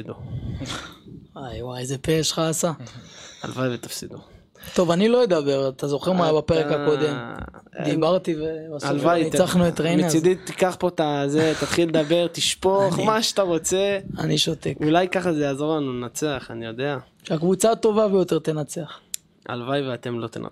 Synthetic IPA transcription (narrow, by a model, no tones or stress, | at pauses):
d̪u | ajwajezepeʃχaːsaa̰lvajvet̪afsid̪u | t̪o̞vanilo̞ed̪abe̞ʁat̪azo̞χeʁmabapeʁekhako̞d̪e̞m̰d̪ibaʁt̪ivebasalvajit͡saχnuet̪ʁejmneid̪it̪ːikaχpot̪azet̪at̪χiled̪abe̞ʁt̪iʃpoχmaʃat̪aʁo̞t͡seaniʃo̞t̪e̞kulajkaχazejaːzo̞ʁlanulenat͡seaχanijo̞d̪e̞a | ʃeakvut͡sat̪o̞vabejot̪ʁt̪e̞nat͡se̞aχ | a̰lvajveat̪e̞mlo̞t̪ḛna̰